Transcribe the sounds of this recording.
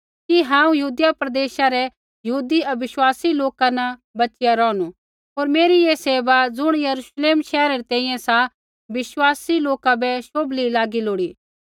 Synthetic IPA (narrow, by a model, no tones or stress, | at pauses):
kiɦãːũjɐɦuːd̪japɾɐd̪eːʃaɾɛ | jɐɦuːd̪iʔɐbɪʃwaːsiloːkanɐbɐt͡ʃɪjaɾɔːnu | ɦoːɾmeːɾijeseːbad͡zʊɽ̃jɐɾuʃleːmʃɛːɾaɾit̪ɛ̃ːĩjɛ̃sa | bɪʃwaːsiloːkabɛʃoːblilaːɡiloːɽiː